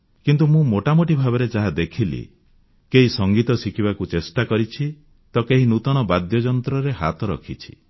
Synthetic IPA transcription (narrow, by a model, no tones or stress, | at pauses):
kint̪umũmoʈamoʈibʱabɔɾed͡ʒaɦad̪ekʰilḭ | keɦisɔŋɡit̪ɔsikʰiβakut͡ʃesʈakɔɾit͡ʃʰi | t̪ɔkeɦinut̪ɔɽ̃ɔbad̪jɔd͡ʒɔnt̪ɾɔɾeɦa̰t̪ɔɾɔ̰kʰit͡ʃʰi̥